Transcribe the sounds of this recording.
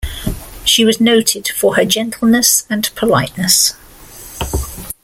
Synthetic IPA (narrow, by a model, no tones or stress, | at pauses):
ʃiwɒznoʊtʰɪd̥fəəd͡ʒɛ̃ntʰˡl̩ˠnəsə̃npʰəlaɪʔnəs